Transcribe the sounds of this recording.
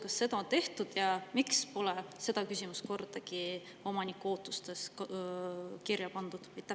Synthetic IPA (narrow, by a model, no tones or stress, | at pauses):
kɑsːe̞d̪ɑont̪e̞ht̪ud̪̥jɑmikspo̞lɛse̞d̪̥ɑkysʲimusko̞rd̪̥ɑki | o̞mɑnikuo̞ːt̪ːˑust̪e̞s | kirjɑpɑnd̪̥ud̪̥ɯjt̪æ